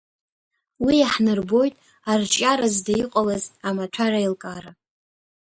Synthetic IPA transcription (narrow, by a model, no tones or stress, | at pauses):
wiaħnɨrbo̞jtʼ | art͡ʃʼaɾazdaiqʼalazamaʈ͡ʂʷʰarailkʼaɾa